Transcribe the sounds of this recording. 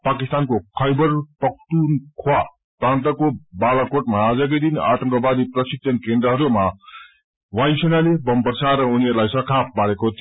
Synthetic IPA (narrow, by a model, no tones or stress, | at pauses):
pakist̪ankokʰʌjbʌrpʌk̚t̪unkʰowa | prãnt̪ʌkobalakoʈmaːd͡zʌk̬ʌd̪ina̰ʈʌŋkʌbad̪iprʌsik̚sʰʌnkend̪ɾʌɦʌɾuma | wajsʌnalebʌmpʌrsʰaɾʌuniɦʌɾulajsʌkʰap̚paɾekot̪